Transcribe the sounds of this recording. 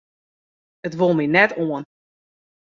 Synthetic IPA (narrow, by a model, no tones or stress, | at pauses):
ətʋolˠminɛtoən